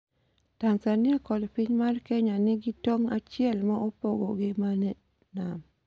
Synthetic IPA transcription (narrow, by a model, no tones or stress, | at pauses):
taŋsanɪakɔlpiɲmarkɛɲanɪɡɪtoŋat͡ʃɪɛlmaʔopoɡo̰ɡɪmanɛ | nam